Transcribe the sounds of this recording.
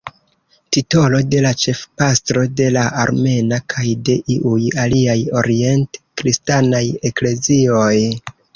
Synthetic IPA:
tito̞lo̞de̞lat͡ʃe̞fpastɾo̞de̞laʔaɾme̞nakʰajde̞ʔiʔujaliajo̞̰ɾie̞ntkɾistanaje̞kle̞zio̞j

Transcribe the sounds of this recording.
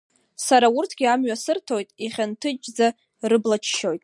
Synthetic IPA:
saɾaurtʰɡʲiamɥasɨrtʰo̞jtʼiχʲantʰɨt͡ʃʼd͡za | rɨblat͡ʃʰʃo̞jtʼ

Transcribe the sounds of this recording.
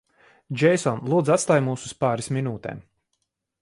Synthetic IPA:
d͡ʒɛjsɔnlˠuːd̪zat̪st̪aːjmuːsuspaːɾisminuːt̪ɛ̰ːm

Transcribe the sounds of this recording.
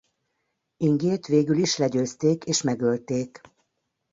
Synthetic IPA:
iŋɡeːt̪ʋeːɡyliʃlɛɟøːst̪eːkeːʃmɛɡølt̪eːk

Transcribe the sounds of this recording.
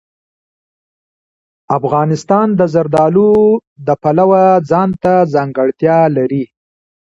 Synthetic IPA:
afɣɑnɪst̪ɑnd̪əzaɾd̪ɑlud̪əpalawad͡zɑnt̪azɑŋɡəɽt̪jɑlaɾi

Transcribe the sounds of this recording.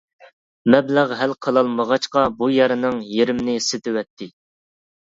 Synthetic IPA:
mɛblæʁɦælqʰəlˠɑlˠməʁɑt͡ʃqɑbujɑɾɨnɨŋjeɾɪmnɪsɪt̪ʰɪwɛt̪ʰːɪ

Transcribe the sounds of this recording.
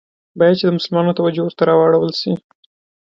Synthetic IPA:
bɑjad̪̚t͡ʃed̪əmʊsəlmɑnot̪awad͡ʒowəɾt̪aɾɑwaɽawəlʃi

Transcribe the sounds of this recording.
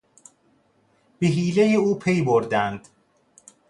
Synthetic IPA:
b̥eɦiːlejeuːpʰejboɾd̪ænd̪̥

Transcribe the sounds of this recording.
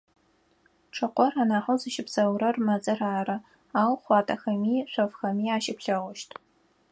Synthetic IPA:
ʈ͡ʂʰɨqʷɔraːnaːħɐwzɨʃɪpsɐwɾɐrmɐzʼɨraːrɐ | aːwχʷɑːtʰɐxɐmiːɕʷɔfxɐmiːaːʃɪpɬɐʁʷʊʃtʰ

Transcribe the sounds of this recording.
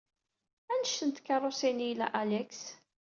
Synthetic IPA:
ænəʃθənt̪kːɑrˤosinijlæ̰ʔalɛks

